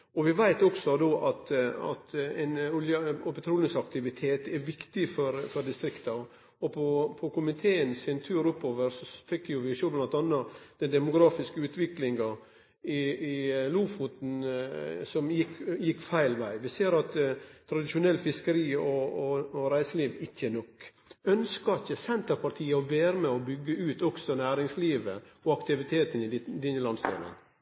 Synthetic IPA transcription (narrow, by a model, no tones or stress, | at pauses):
ɔʋɪʋæɪt̪ɔksɔd̪oːʔɑt̪ɑ̰t̪ɛnʊljəɔbɛt̪ʰɾuːlɪŋsɑk̚t̪ɪʋɪt̪ʰeːt̪ɛɾʋɪkt̪ɪfɔɾfɔɾd̪ɪst̪ɾɪkt̪ɑ | ɔpʰɔpʰɔkʰʊmɪt̪ʰeːənsɪnt̪ʰʉːɾʊpːoːʋəɾsɔfɛkːjʊʋɪʃoblɑnt̪ɑnːɑd̪̥ɛnd̪ɛmʊɡɾɑːfɪskəʉːt̪ʋɪklɪŋɡɑ | ɪɪluːfut̪n̩ | sɔmjɪkːjɪkːfæɪlʋæɪʋɪseːɾɑt̪ʰːɾɑd̪ɪʃʊnɛlːfɪskəɾiːɔ | ɾæɪsəliːʋɪçːənɔkː | œnskɑɪçːəsɛnt̪əɾpʰɑɾʈ̪ʰiːəɔʋeːɾəmɛɔbʏɡːəʉːt̪ɔksɔnæːɾɪŋsliːʋə̰ɔɑkt̪ɪʋɪt̪ʰeːt̪ənɪd̪ɪnːəlɑnst̪ʰḭːlə̰n